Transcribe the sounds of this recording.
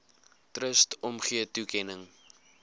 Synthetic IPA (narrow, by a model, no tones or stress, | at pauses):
trəstɔmχiətukɛnəŋ